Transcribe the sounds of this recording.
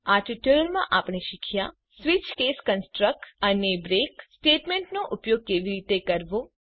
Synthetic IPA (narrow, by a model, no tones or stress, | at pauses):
aʈɪʈuɾəɾmãʔapɳ̃eʃɪkʰja | sʋɪt͡ʃkeːskənsʈɾək̚ʈənebɾeːksʈeːʈmẽɳʈnoʔʊpjoɡ̚keʋiɾit̪ekəɾʋo